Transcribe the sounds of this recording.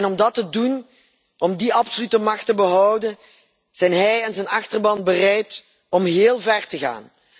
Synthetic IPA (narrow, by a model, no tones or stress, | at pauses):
nɔmdɑtədun | ɔmdiɑpsolytəmɑxtəbəɦɔwdən | z̥ɛjnɦɛjanzɛnɑxtərbɑnbərɛjt | ɔmɦeːlˠvɛrtəɣa̰ːn